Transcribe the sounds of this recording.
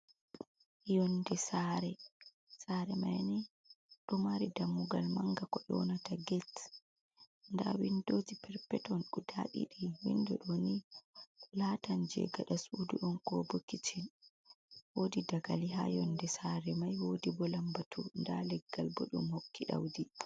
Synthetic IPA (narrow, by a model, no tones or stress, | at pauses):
jɔndɛsaɾɛ | saɾɛmajnɛ | ɗɔmaɾidamːuɡalmaŋɡakɔɗɔ̰nataɡɛt | ndawindod͡ʒipɛɾpɛtɔnɗudaɗḭɗiwindɔɗoni | laːtand͡ʒɛ̰ɡaɗasuduʔɔnkɔbokːit͡ʃin | wodidaɡaliɦa̰jɔndɛsaɾɛmajwoːdibɔlambatʰundalɛɡːalbɔ̰ɗṵmhokːiɗa̰wdi